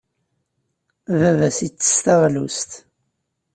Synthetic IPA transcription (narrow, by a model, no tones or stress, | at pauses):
vævæsit͡sːə̥st̪æʁlust̪